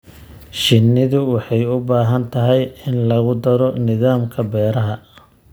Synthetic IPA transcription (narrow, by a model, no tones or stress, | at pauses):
ʃɪnːɪðʊwɑħɑjʊbaːɦɐnt̪ʰɐɦɛjɪnlɐɣʊd̪ɐɾɔnɪðaːmkʰɐbɛːɾɐɦɐ